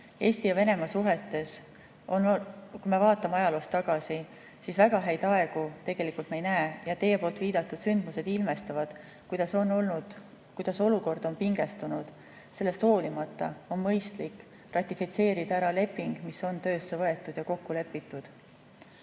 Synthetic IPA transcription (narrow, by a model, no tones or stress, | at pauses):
e̞ːst̪ijɑve̞ne̞mɑsuɦe̞t̪ːˑe̞s | onkumevɑːt̪ːˑɑmeɑjɑloːst̪ːɑɡ̥ɑsi | sisvæɡ̥ɑɦæjd̪̥ɑe̞ɡ̥ut̪e̞ɡ̥e̞likult̪meejnæejɑt̪e̞je̞po̞ːlt̪viːd̪̥ɑt̪ːˑud̪̥synd̪̥muse̞d̪̥ilme̞st̪ɑvɑd̪̥ | kujd̪̥ɑso̞nolnud̪ | kujd̪̥ɑso̞luko̞rd̪̥o̞npiŋɡ̥e̞st̪unud̪̥ | se̞lːest̪ho̞ːlimɑt̪ːˑɑ̰o̞nmɤjst̪likː | rɑt̪ʲːˑifit̪se̞ːɾid̪̥ɑæɾɑle̞pːˑiŋɡ̥miso̞nt̪ø̞ːsːe̞vɤ̞e̞t̪ːˑud̪jɑko̞kːule̞pːit̪ːˑud̪̥